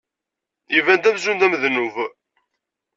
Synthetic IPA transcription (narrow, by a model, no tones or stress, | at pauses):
ivænt̪æmzund̪æməðnuv